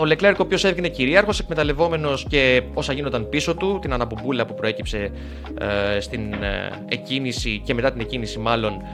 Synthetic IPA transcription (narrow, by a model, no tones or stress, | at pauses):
ole̞kle̞ɾkopço̞se̞vʝene̞ciɾiɐɾxo̞se̞kme̞t̪ɐle̞vo̞me̞no̞sce̞o̞sɐʝinond̪ɐnpiso̞t̪ut̪inɐnɐpubulɐpupɾo̞e̞cipse̞ | st̪in | ḛcinisice̞me̞t̪ɐt̪ine̞cinisimɐlo̞n